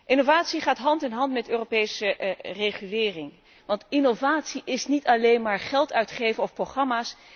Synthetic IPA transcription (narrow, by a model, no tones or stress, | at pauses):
ʔɪnovaːtsiχaːtɦɑntɛnɦɑntmɛtøːropejsəreχylɪːrɪŋ | ʋɑntɪnovaːtsiʔɪsnitɑlejnmaːɹχɛlˠtʰœɥtχejvənɔfproχrɑmaːs